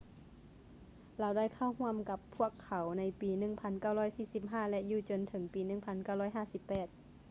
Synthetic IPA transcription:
laː˨˦wda˥˩˨jkʰa˧˥˩whu˧˥˨əmka˧˥pʰːu˧˥˨əkʰːa˨˦wna˧˥jpiː˨˧nɯ˧˩˨ŋpʰa˧˥nka˧˩wlɔː˧˥˩jsiː˧˩si˧˦p̚ɦaː˥˩lɛ˧ʔjuː˧˩t͡ɕo˧˨nt̪ʰɤ˨˩˦ŋpiː˨nɯ˧˩ŋpʰa˧˥nka˧˥˩wlɔː˧˥˩jɦaː˥˩˨si˧˦pːɛː˨˩t̪̚

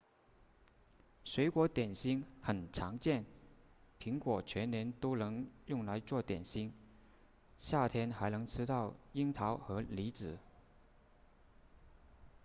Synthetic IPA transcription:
swe˧˥ɪkwɔ˧˥t̪jɛ˨˩nɕi˥ŋxə˨˩nʈ͡ʂʰɑ˧˥ŋt͡ɕjɛ˥˩npʰi˧˥ŋkwɔ˨˩t͡ɕʰɥɛ˧˥nnjɛ˧˥nt̪o˥ʊnɤ˧˥ŋjʊ˥˩ŋla˧˥ɪt͡swɔ˥˩t̪jɛ˨˩nɕi˥ŋ | ɕja˥˩t̪ʰjɛ˥nxa˧˥ɪnɤ˧˥ŋʈ͡ʂʰɻ̩˥t̪ɑ˥˩ʊi˥ŋt̪ʰɑ˧˥ʊxɤ˧˥li˧˥t͡sɹ̩˨˩˦

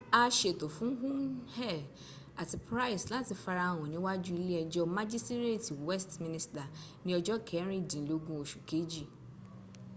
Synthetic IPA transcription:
a˦ʃe˨to˨fũ˨˦ɦũ˦nhɛ˦˨ | a˨ti˨pɾa˦i˨slã˦ti˧fa˧ɾa˨w̃ɔ̃˨nĩ˦wa˦d͡ʒu˦i˦le˦ɛ˨d͡ʒɔ˦mã˦d͡ʒi˦sti˦ɾe˦˨ti˨wɛ˦stmĩ˦nĩ˦sta˨nĩ˦ɔ˦d͡ʒɔ˦kʰɛ˨˦ɾ̃ĩ˦˨dĩ˨n̩˨lo˦ɡũ˦o˨ʃu̥˨ke˨˦d͡ʒi˦˨

